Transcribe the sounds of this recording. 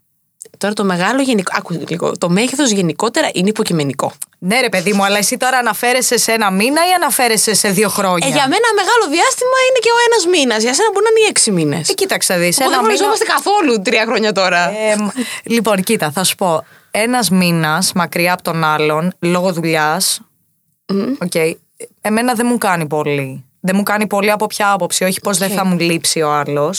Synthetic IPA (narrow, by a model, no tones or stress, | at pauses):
t̪o̞ɾɐt̪ome̞ɣɐloʝe̞nikɐkuliɣo̰t̪o̞meʝeθo̞zʝe̞niko̞t̪e̞ɾɐʔineipo̞cime̞niko̞ne̞ɾe̞pe̞ðimuɐlɐesit̪o̞ɾɐːnɐfe̞ɾe̞sesenɐminɐiɐnɐfe̞ɾe̞sese̞ðio̞xɾo̞ɲɐʝɐmenɐme̞ɣɐlo̞ðiɐst̪imɐineceo̞e̞nɐzminɐzʝɐse̞nɐboɾinɐnieksiminḛscit̪ɐksɐðisɐuoɾizomɐst̪ekɐθo̞lut̪ɾiɐxɾoɲɐt̪o̞ɾɐmlipo̞ncit̪ɐθɐsu̥po̞ | e̞nɐzminɐsmɐkɾiɐːpot̪o̞nɐlo̞nlo̞ɣoðuʎɐs | o̞ce̞i | e̞me̞nɐðemukɐnipo̞li | ðemukɐnipo̞liɐpo̞pçɐɐpo̞psio̞çi̥po̞zðeθɐmulipsio̞ɐlo̞s